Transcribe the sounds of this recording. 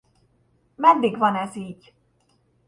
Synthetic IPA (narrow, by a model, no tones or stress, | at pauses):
mɛd̪ːiɡvɒnɛziːɟ